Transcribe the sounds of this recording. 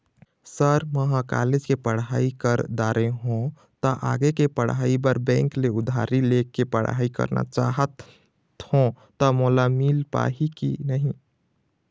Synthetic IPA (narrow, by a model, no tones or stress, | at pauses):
səɾməɦaka̰led͡ʒkepəɽɦaikəɾd̪aːɾeɦõ | t̪əʔa̰ɡekepəɽɦaːibəɾbɛ̃ːŋkleʊd̪ʱaɾilekːepəɽa̰ːikə̰ɾna̰t͡ʃaɦət̪ | hõ | t̪əmolamilpa̰ɦikḭnəɦĩ